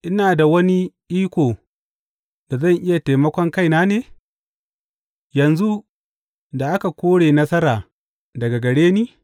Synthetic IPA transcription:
ʔɪ˦naː˨da˨wɐ˦ni˦ʔiː˦kʷoː˨ | da˨zɐ˦˨ŋʔɪ˦ja˨ta˨mɐ˦kʷɔ˦ŋka˦jnaː˦neː˨ | jɐ˨nzu˦ | da˨ʔa˦ka˨kʷoː˦ɽeː˨nɐ˦sɐ˦ɾaː˨ | dɐ˨ɡa˨ɡɐ˨ɽeː˦niː˦

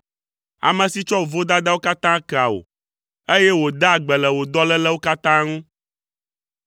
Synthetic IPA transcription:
a̰˨mɛ̃˨si˦t͡ʃɔ˦wo˨vo˦d̪a˦d̪a˦wo˦ka˦t̪ã˦kɛ˨a˨o̰˨ | e˦jɛ˦wo˨d̪a˦˨ɡ͡bɛ˨lɛ˨wo˨d̪ɔ˦lɛ˦lɛ˦wo˦ka˦t̪ã˦ŋũ˦

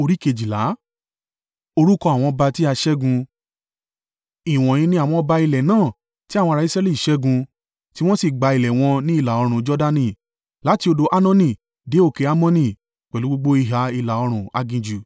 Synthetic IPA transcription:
o˧ɾi˦ke˧˨d͡ʒi˨la̰˨˦ | o˧ɾu˦kɔ̃˧a˨w̃ɔ̃˧ba˧ti˦a˧ʃɛ˦ɡũ˧ | i˨w̃ɔ̃˨j̃ĩ˧nĩ˦a˦˨w̃ɔ̃˧ba˧i˧lɛ˨nãː˦˨ | ti˦a˦˨wɔ̃˧ɾa˧˦i˦sɾɛ˦li˦˨i˨ʃɛ˦ɡũ˧ | ti˦w̃ɔ̃˦si˦˨ɡ͡ba˧i˨lɛ˨w̃ɔ̃˧nĩ˦i˦˧˨la˨ɔ˧ɾ̃ũ˨d͡ʒɔ˦da˧nĩ˧˨ | la˨˦ti˧o˧do˧ʔa˦nã˦nĩ˧˨ | de˨˦o˦˨ke˨˧a˦mɔ̃˦nĩ˧˨ | k͡pɛ˨lu˨˦ɡ͡bo˦ɡ͡bo˦i˧ɦa˨˦i˧la˨ɔ˧ɾ̃ũ˨a̰˧ɡĩ˧d͡ʒu˨

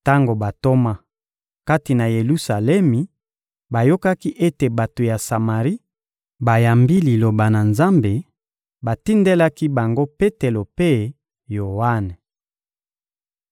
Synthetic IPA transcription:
ta˦ŋɡo˨ba˨to˦ma˦ | ka˦ti˨na˨je˨lu˦sa˨lɛ˦mi˨ | ba˨jo˦ka˦ki˦ʔe˦te˨ba˨to˨ja˨sa˨ma˨ʁi˦ | ba˨ja˨mbi˦li˨lo˨ba˨na˨nza˦mbe˨ | ba˨ti˦nde˦la˦ki˦ba˨ŋɡo˦pe˦te˨lo˨pe˦ | jo˨wa˦ne˨

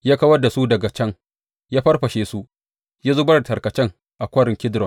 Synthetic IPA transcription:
jaː˦kɐ˦wɐ˦da˨su˦dɐ˨ɡa˨t͡ʃɐ˦ŋ | jaː˦ɸɐ˦rɸɐ˨ʃeː˦su˦ | jaː˦zoː˦bɐ˦ɾtɐ˨rkɐ˨t͡ʃɛ˦ŋ | ʔa˨kʷɐ˦ɾɪ˨ŋkʲɪ˦dɾɔ˨n

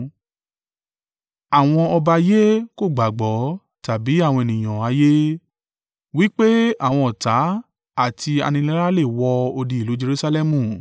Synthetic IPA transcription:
a˦˨w̃ɔ̃˧ɔ˧ba˧je˦ko˦˨ɡ͡ba˨ɡ͡bɔ˨˦ | ta˨bi˨˦a˦˨w̃ɔ̃˧e˨nĩ˨j̃ã˨a˨˧je˦ | wi˦k͡pe˦a˦˨w̃ɔ̃˧ɔ˨ta˨˦ | a˦˨tʰi˧a̰˧nĩ˧lɛ˦la˦le˦˨wɔ˧o˧di˧i˨lo˨˦d͡ʒe˧ɾu˦sa˧lɛ˦˧mũ˦˨

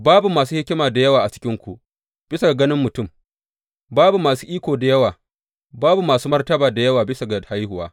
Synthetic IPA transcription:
baː˦bu˨maː˨suː˦hɪ˦kʲɪ˦maː˨da˨jɐ˦waː˨ʔa˨t͡ʃɪ̥˦kʲɪ˦ŋkʷu˨ʔ | b̥ɪ˦sa˨ɡa˨ɡɐ˦nɪ˦mːʊ˨tʊ˦˨m | baː˦bu˨maː˨suː˦ʔiː˦kʷoː˨da˨jɐ˦waː˨ | baː˦bu˨maː˨suː˦mɐ˦rtɐ˦baː˨da˨jɐ˦waː˨bɪ˦sa˨ɡa˨ha˦jhʊ˨waː˦

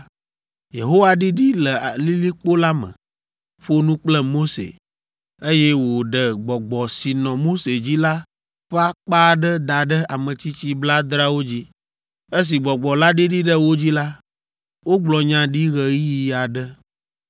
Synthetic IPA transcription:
je˨ɦo˦wa˨ɖi˦ɖi˦lə˨li˦li˦k͡po˦la˦mə̰̃˨ | ɸo˦nũ˦k͡plə˦mo˦sḛ˨ | e˦jɛ˦wo˨ɖə˨ɡ͡bɔ˨ɡ͡bɔ˨si˨nɔ̃˨mo˦se˨d͡ʑi˦la˦ | ɸa˦k͡pa˦ɖə˦d̪a˨ɖə˦a˨mə̃˨t͡ɕi˦t͡ɕi˦bla˦d̪ɾa˦wo˦d͡ʑi˦ | e˦s̬i˨ɡ͡bɔ˨ɡ͡bɔ˨la˦ɖi˦ɖi˦ɖə˦wo˦d͡ʑi˦la˦ | wo˦ɡ͡blɔ˨ɲã˨ɖi˦ɣə˨˦i˦ja˨ɖə˦

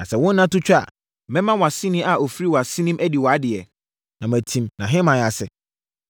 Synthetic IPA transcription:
nã̰˨sɛ˨wʊ̃˦n˦nã˦tʊ˦t͡ɕᶣa̰˦˨ | mɛ̃˦mã˦wɔ˨a˨sĩ˦nĩ˦a˨o˨fɾi˦wɔ˨a˨sĩ˦nĩ˦mʔæ˦di˨wɔ˨a˦dɪ˨ɛ˨ | nã˨mæ˨tʰĩ˨mnã˨ɦɛ̃˦mã˨a˨sɛ˨

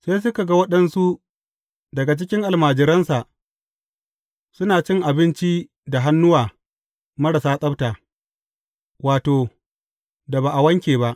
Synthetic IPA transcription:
seː˦s̬ʊ˦ka˨ɡa˦wɐ˦ɗɐ˦nsu˦ | dɐ˨ɡa˨t͡ʃɪ˦kʲɪ˦ŋʔa˨lmaː˨d͡ʒɪ˨ɾɐ˦nsa˨ʔ | sʊ˦naː˨t͡ʃɪ˦ŋʔa˨bɪ˦nt͡ʃi˦ | da˨ɦa˦nːʊ˦waː˨ | mɐ˦ɽa˨saː˦sʼɐ˦btaː˨ | waː˨toː˨ | da˨baː˨ʔa˨wɐ˦ŋkʲeː˨βa˦ʔ

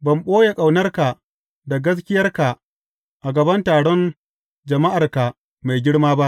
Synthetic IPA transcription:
bɐ˨mɓoː˦je˨kʼa˨wnɐ˦rka˨ | da˨ɡɐ˦s̬kʲɪ˦jɐ˦rka˨ | ʔa˨ɡɐ˨bɐ˦ntaː˨ɽɔ˦n | d͡ʒɐ˨ma˦ʔa˨rka˨ | ma˨jɡʲɪ˦ɽmaː˦ba˦ʔ

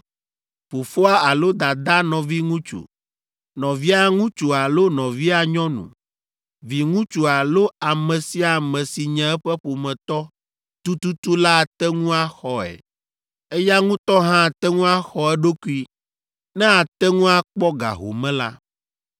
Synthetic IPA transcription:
fo˨fo˦a˦a˨lo˦d̪a˨d̪a˦nɔ̃˨vi˦ŋũ˦t͡ʃṵ˨ | nɔ̃˨vi˦a˦ŋũ˦t͡ʃu˨a˨lo˦nɔ̃˨vi˦a˨ɲɔ̃˦nṵ̃˨ | vi˨ŋũ˦t͡ʃu˨a˨lo˦a˨mɛ̃˨si˦a˨mɛ̃˨si˨ɲɛ̃˨˦ɛ˦ɸɛ˦ɸo˨mɛ̃˨t̪ɔ˦ | t̪u˦t̪u˦t̪u˦la˦˨t̪ɛ˦ŋũ˦a˦xɔ˨ɛ̰˨ | ɛ˦ja˦ŋũ˦t̪ɔ˦ɦã˦˨t̪ɛ˦ŋũ˦a˦xɔ˨ɛ˦ɖo˦ku˦i˦ | nɛ̃˦a˨t̪ɛ˦ŋũ˦a˦k͡pɔ˦ɡa̰˨ɦo̰˨mɛ̃˦la̰˦

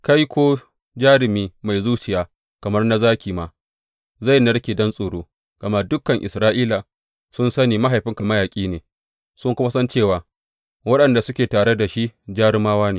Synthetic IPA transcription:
ka˦jkʷʰoː˦ | d͡ʒaː˦ɾɪ˨miː˦ma˨jzuː˦t͡ʃɪ˨jaː˨ | kɐ˨mɐ˦rna˦zaː˦kʲiː˨ma˨ | za˦˨jnɐ˦ɽkʲeː˨dɐ˦nsʼoː˨ɽoː˦ | ɡ̥ɐ˨ma˦dʊ˦kːɐ˨ŋʔɪ̰˨sɾaː˦ʔiː˦laː˨ | sʊ˦nsɐ˦niː˨ma˦ɦa˨jɸɪ˦ŋka˨ma˦jaː˨kʲʼiː˦neː˨ | sʊ˦ŋkʷʊ˦ma˦sɐ˦nt͡ʃeː˦˨waː˨ | wɐ˦ɗɐ˨nda˨sʊ˦kʲeː˨taː˨ɽe˦da˨ʃi˦ʔd͡ʒaː˦ɾɪ˦maː˦waː˦neː˨

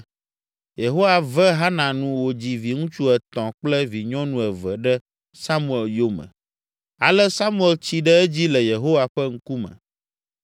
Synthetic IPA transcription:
je˨ɦo˦wa˨vɛ˦ɦa˦nã˨nũ˨wo˨d͡ʑi˨vi˨ŋũ˦t͡ʃu˦ɛ˨t̪ɔ̃˨k͡plɛ˦vi˨ɲɔ̃˦nũ˦ɛ˨vɛ˨ɖɛ˦ | sa˦mũ˦ɛ˨ljo˦mɛ̰̃˨ | a˨lɛ˦sa˦mũ˦ɛ˨lt͡ɕi˦ɖɛ˦ɛ˦d͡ʑi˦lɛ˨je˨ɦo˦wa˨ɸɛ˦ŋ̩˦ku˦mɛ̰̃˨

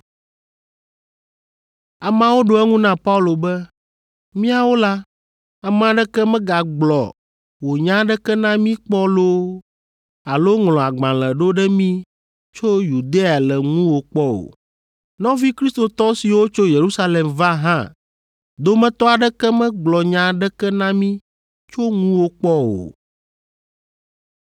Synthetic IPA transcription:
a˨mã˨wo˦ɖo˨˦ɛ˦ŋũ˦nã˦pa˦u˦˨lo˨bɛ˦ | mĩ˦a˨wo˦la˦ | a˨mɛ̃˨a˨ɖɛ˦kɛ˦mɛ̃˦ɡa˨ɡ͡blɔ̰˨ | wo˨ɲã˦ɖɛ˦kɛ˦nã˦mĩ˦k͡pɔ˦lo˦ | a˨lo˦ŋlɔ̃˨a˨ɡ͡bã˨lɛ̃˨ɖo˦ɖɛ˦mĩ˦ | t͡ʃo˦ju˨d̪e˦a˨lɛ˨ŋũ˦wo˨k͡pɔ˦wo̰˨ | nɔ̃˦vi˦kɾi˦st̪o˨t̪ɔ˦si˨wo˦t͡ʃo˦je˨ɾu˦sa˦lɛ˨mva˦ɦã̰˦˨ | d̪o˦mɛ̃˦t̪ɔ˦a˨ɖɛ˦kɛ˦mɛ̃˦ɡ͡blɔ˨ɲã˦ɖɛ˦kɛ˦nã˦mĩ˦ | t͡ʃo˦ŋũ˦wo˦k͡pɔ˦wo̰˨

